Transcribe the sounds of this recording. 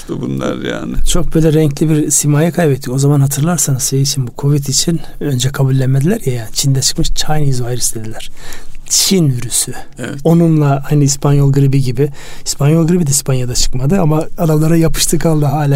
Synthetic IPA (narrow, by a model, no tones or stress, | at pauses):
t̪ubunlˠa̰ɾja̰ːnɪ̰t͡ʃʰo̞k̚bøjlʲɛɾɛɲclʲibiɾsimaːjakʰajbɛt̪ʰːico̞zamanhat̪ʰɯɾlˠaɾsanɯzsejit͡ʃʰinbukʰo̞vit̪ʰit͡ʃʰinø̞nd͡ʒɛkʰabulʲːɛmmed̪ilʲæɾjajaːnit͡ʃʰind̪ɛt͡ʃʰɯ̥kmɯʃt͡ʃʰajnjizvajɾist̪ʰe̞d̪ilʲæɾ̥t͡ʃʰinvyɾysy | ɛo̞nunlˠaajnɯispʰanjo̞lˠɡɯɾibiɟibi | ispʰanjolˠɡɯɾibid̪ɛispʰanjad̪at͡ʃʰɯ̥kmad̪ɯamaːd̪amlˠaɾajapʰɯ̥ʃt̪ʰɯkʰalˠːaɦaːlʲa